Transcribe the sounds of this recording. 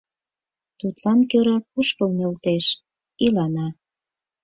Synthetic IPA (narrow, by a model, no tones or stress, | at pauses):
t̪ut̪lɑnkøɾɑk̚uʃkəlnelt̪eʃ | ilɑnɑ